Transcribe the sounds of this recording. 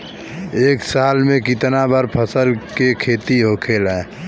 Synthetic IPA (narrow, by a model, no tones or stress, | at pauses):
eːksaːlmẽkɪt̪nabəɾpʰəsəlkekʰeːt̪iɦoːkʰeːlɦɛ̃